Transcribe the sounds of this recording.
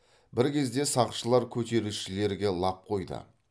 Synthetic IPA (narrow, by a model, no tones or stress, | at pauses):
bɪɾkʲʰe̞zd̪e̞sɑʁʃəlˠɑɾkʲʰɵt̪e̞ɾuʃɪle̞ɾɡʲe̞lˠɑp̚qʰo̞jd̪ə̰